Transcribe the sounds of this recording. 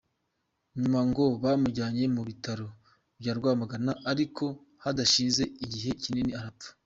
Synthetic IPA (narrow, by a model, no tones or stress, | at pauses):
ɲumaŋɡo̞βamuɾɟaːɲe̞muβitaɾo̞ | bjaːɾɡwaːmaɡanaʔaɾiko̞ | hadaʃiːnze̞iɟiɦe̞cininiaɾau̥